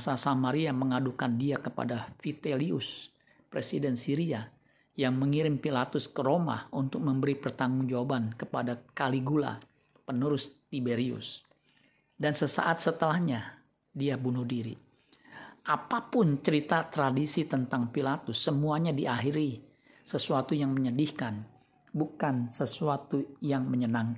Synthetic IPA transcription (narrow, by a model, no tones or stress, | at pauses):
asasamaɾiaməŋadukandiakəpa̰dafit̪eliʊs | pɾesidɛnsiɾia | jaŋməŋiɾɪmpilat̪ʊskəɾoma̰unt̪ʊk̚məmbəɾipərt̪aŋʊŋd͡ʒawabankəpadakaliɡula̰ | pənuɾʊst̪ibeɾiʊ̰s | dansəsa̰ʔat̪̚sət̪əlahɲa | diabunʊhdiɾḭ | ʔapapʊnt͡ʃəɾit̪at̪ɾadisit̪ənt̪aŋpilat̪ʊsːəmuaɲadiʔaɦiɾi | səsuat̪ujaŋməɲədihkan | bukansəsuat̪ujaŋməɲənaŋ